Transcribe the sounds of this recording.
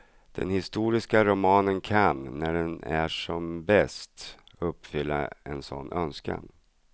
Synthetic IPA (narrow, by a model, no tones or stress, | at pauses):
d̪̥ɛ̰nhɪst̪uːɾɪskaɾʊmɑːnənkʰanːæɖɛnæʂɔmbɛst̪ | ɵpːfʏlːa̰ɛnsɔ̰nːʔœnska̰n